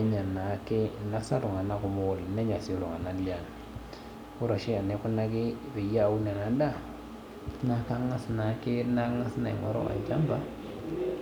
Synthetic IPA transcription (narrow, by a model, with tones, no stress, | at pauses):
ɲa˨na˨˦ke˦na˦sa˦lʊ˨ŋa˨na˦kʊ˨mo˦˨lnɛ˦ɲa˨si˦lu˨ŋa˨na˨li˦a˨n˨ | u˦ɾa˨ʃi˦a˨ne˨˦ku˦na˦kɪ˦be˨ja˦˨u˦nɛ˨na˨˦da˦˨ | na˦ka˦ŋa˦sna˨˦ke˦na˦ŋa˦sna̰˨ḭ˨ŋɔ̰˨ɾɔ̰˦a̰˨ɲd͡ʒa˦mba˦